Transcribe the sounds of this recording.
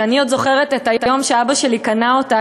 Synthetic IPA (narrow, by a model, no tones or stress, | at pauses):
aniod̪zo̞χe̞ʁet̪etajtajo̞mʃeabaʃe̞likanaota